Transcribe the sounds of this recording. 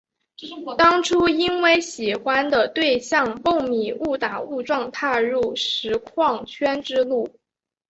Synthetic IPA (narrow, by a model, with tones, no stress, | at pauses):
t̪ɑ˥ŋʈ͡ʂʰu˥i˥nwe˥˩ɪɕi˨˩xwa˥nd̪ə˨t̪we˥˧ɪɕjɑ˥˧ŋpo˥˩ŋmi˨˩u˥˩t̪a˨˩u˥˧ʈ͡ʂwɑ˥˧ŋt̪ʰa˥˧ɻu˥˩ʂɻ̩˧˥kʰwɑ˥˩ŋt͡ɕʰɥɛ˥nʈ͡ʂɻ̩˥lu˥˩